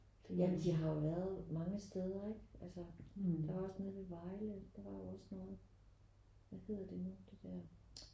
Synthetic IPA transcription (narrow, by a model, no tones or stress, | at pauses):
jæmnd̥iɦɑ̈jo̝ʋæɐð̩ˠmɑ̈ŋəsd̥eð̞ˠɐeɡ̥ʔælsəd̥ɑʋɑ̈ɒsnoːð̩ˠʋeʋɑ̈ɪləd̥ɑ̈ʋɑ̈jo̝ɒ̽snɔ̽ːð̩ˠ | ʋæhe̝ð̰ˠɐd̥e̝nud̥e̝d̥æɐ̰